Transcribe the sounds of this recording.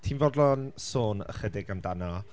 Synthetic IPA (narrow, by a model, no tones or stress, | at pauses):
tʰiːnvɔdlˠɔnsoːnə̰χədɪɡamdanɔ